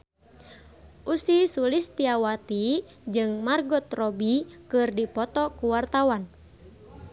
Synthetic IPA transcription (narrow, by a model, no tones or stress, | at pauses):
ʔusisulist̪iawat̪i | d͡ʒɨŋmarɡɔt̪rɔbikɨrdipɔt̪ɔkuwart̪awan